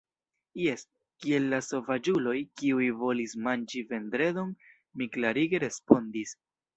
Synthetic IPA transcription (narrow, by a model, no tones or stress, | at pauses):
je̞s | kie̞lːaso̞vad͡ʒulo̞jkiujvo̞lismand͡ʒive̞ndɾe̞do̞n | miklaɾiɡe̞ɾe̞spo̞ndis